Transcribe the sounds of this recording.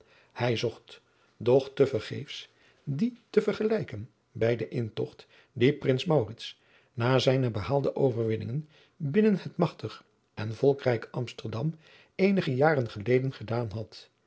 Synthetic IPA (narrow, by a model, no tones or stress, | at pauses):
hɛjzɔχt | dɔχtəvərχḛjfs | ditəvəɹχəlɛjkən | bɛjdəʔɪntɔ̰χt | diprɪnsmawrɪts | naːzɛjnəbəhaːlˠdəʔowvəɹʋɪnɪ̰ŋən | bɪnənhətmɑχtəχ | ʔɛnvɔlˠkrɛjkʔɑmstəɹdɑm | ejnəχəjaːrənχəlejdənχədaːnɦɑt